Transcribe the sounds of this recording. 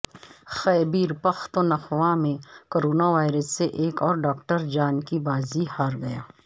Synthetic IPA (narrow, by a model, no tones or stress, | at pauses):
xɛːbiːɾpəxt̪onɐxwãmẽkoːɾoːnaʋaːɪɾəsːeʔeːkɔːɾɖaːk̚ʈəɾd͡ʒaːnkibaːzihaːɾɡɐjaː